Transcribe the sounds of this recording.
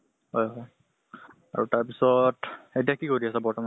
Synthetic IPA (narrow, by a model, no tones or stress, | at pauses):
ɦɔjɦɔj | a̰ɹutaɹpisɔtetijakikoɹiasɛbɔɹtɔma